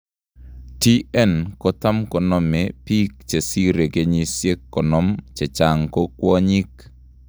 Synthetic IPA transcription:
ti˦ʔɛ˦nkɔ˦ta˦mkɔ˨nɔ˨me˨pi˦k̚t͡ʃe˨si˦ɾe˨ke˨ɲi˨sje˦kːɔ˨nɔ˦mt͡ʃe˨t͡ʃa˨ŋko˦kwɔ˦ɲi˦k

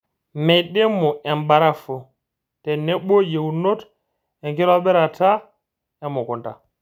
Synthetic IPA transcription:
mɛ˨jɗɛ˦mːɔ˨ɛ˨mba˨ɾa˦fo˨ | tɛ˨nɛ˦ɓɔ˦je˨wno˦t | ɛ˨ŋkɛ˦ɾa˦bɛ˦ɾa˨ta˦ | ɛ˦mːɔ˨kɔ˨nta˨

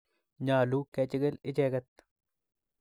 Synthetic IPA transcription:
ɲaː˨lukɛt͡ʃɪ˦ɡɪ˦lɪ˦t͡ʃɛːɡɐt̪ː

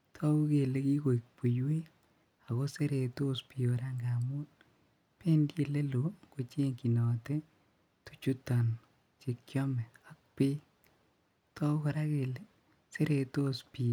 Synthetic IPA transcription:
tʰɔ˦u˦ke˨le˦ki˦ko˨i˨k̚pu˨jwe˦ | a˨ɣo˦se˦ɾe˨to˦spi˨o˨ɾa˦ŋɡa˨mu˦n | pe˦ndje˨le˦lo˨ko˨t͡ʃe˦ŋki˨nɔ˨te˦ | tu̥˦t͡ʃu˦tɔ˨n | t͡ʃe˧kjɔ˦mɛ˨a˨k̚pe˦ | tʰɔ˦kɔ˨ɾa˦ke˨le˦ | se˦ɾe˨to˦spi˨

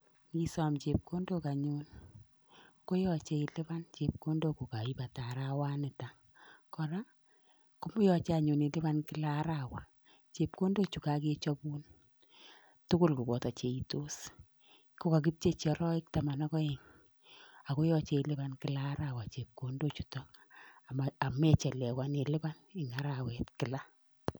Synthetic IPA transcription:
ŋki˦sɔ˨mt͡ʃe˨p̚ko˦ndo˦ka˨ɲun | ko˦jɔ˨t͡ʃe˦i˦lɪ˦βa˦nt͡ʃe˨p̚ko˦ndo˦ku˨ka˨i˦pa˨ta˨ɾa˦wa˦nɪ˨ta˨ | kɔ˨ɾa˦ | ku˦mu˦jɔ˨t͡ʃea˨ɲu˨ni˨lɪ˦βa˦nkɪ˦la˦ɾa˨wa˨ | t͡ʃe˨p̚ko˦ndo˦t͡ʃu˨ka˦ke˦t͡ʃɔ˦bu˦n | tʊ˦kʊ˦lku˨bɔ˨tɔ˨t͡ʃe˨i˨to˦s | ko˦ka˨k̬i˦p̚t͡ʃe˦t͡ʃɔ˨ɾɔ˦ɪ˦k̚ta˨ma˨nɔ˦kɔ˦e˨ŋ | a˨ko˦jɔ˦t͡ʃe˦i˨lɪ˦ba˦nkɪ˦la˦ɾa˦˨wa˨t͡ʃe˨p̚ko˦ndo˦t͡ʃu̥˨tɔ˦a˨maa˨mɛ˦t͡ʃɛ˨lɛ˨wa˦ne˨lɪ˦ba˦nɪ˨ŋa˦ɾa˨wɛ˨tkɪ˨la˦

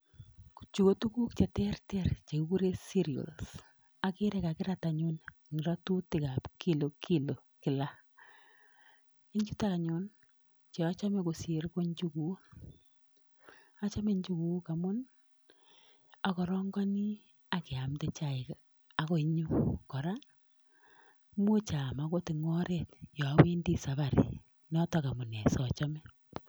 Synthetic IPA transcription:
ku̥˨t͡ʃu˨ko˨tu˦ku˦kt͡ʃe˨tɛ˦rtɛ˦rt͡ʃe˨ku˦ku˦ɾe˦si˦ɾi˨o̰˨ls | a˨ki˦ɾɛ˦ka˨kɪ˦ɾa˦ta˨ɲʊ˦n˨ | ŋ˨ɾɔ˦tu˦tɪ˨ka˨pkʰi˦lo˨kʰi˦lo˨kɪ˨la˦ | i˦ɲt͡ʃu˦ta˦a˨ɲʊ˨n | t͡ʃe˨a˦t͡ʃa˦mɛ˨ko˨se˨ɾko˦ɲt͡ʃu˦ku˨˦ | a˦t͡ʃa˦me˦ɲd͡ʒu˦ku˦ka˨mʊ˦n | a˨kɔ˨ɾɔ˦ŋɡɔ˦ni˦ | a˨kɪ˨a˨mte˦t͡ʃa˦˨ɪ˨k | a˦ko˦i˦ɲu˦kɔ˨ɾa˦ | mo˦t͡ʃa˨ma˨˦ko˦ti˨ŋɔ˦ɾe˦˨tjɔ˨˦we˦ndi˦sa˨βa˨ɾḭ˨ | nɔ˦tɔ˨ka˨mʊ˨na˨sɔ˨t͡ʃɔ˦mɛ˦

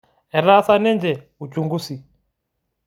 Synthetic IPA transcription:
ɛ˨ɾa˦sa˦nɛ˦nd͡ʒɛ˨ | u˨t͡ʃu˨ŋɡu˦si˨

